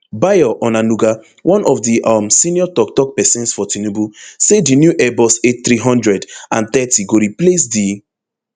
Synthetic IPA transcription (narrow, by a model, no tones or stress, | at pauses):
bajɔʔɔnanuɡa | wʔɔ̃nʔɔfdiʔɔmsĩniɔtɔktɔk̚pɛsɛ̃nsfɔtinubusedinjuʔɛbɔseθɾiɦɔ̃ndɹɛdãnt̪ɛtiɡoɾiples̬di